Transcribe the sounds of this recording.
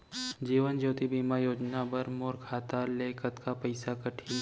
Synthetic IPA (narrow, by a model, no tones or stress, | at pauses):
d͡ʒiːʋənd͡ʒoːt̪ibiːmajoːd͡ʒnabɐɾmoːɾkʰaːt̪aleːkət̪kapəɪsakɐʈʰi